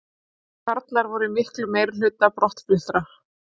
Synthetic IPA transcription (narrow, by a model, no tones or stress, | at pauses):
kʰaɾt̪naɾvɔɾʏimɪhklʏmeːjɾlʏːt̪ːapɾɔht̪pʏ̥t̪ɾa